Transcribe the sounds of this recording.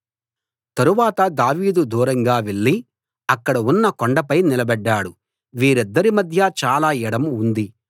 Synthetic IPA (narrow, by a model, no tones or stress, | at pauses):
t̪ɐɾuʋaːt̪ɐd̪aːʋiːd̪ud̪uːɾɐŋɡaːʋeɭːi | ɐkːɐɽɐunːɐkoɳɖɐpɐjnilɐbɛɖːaːɽu | ʋiːɾid̪ːɐɾimɐd̪ʱjɐt͡ʃaːlaːɛɽɐmund̪i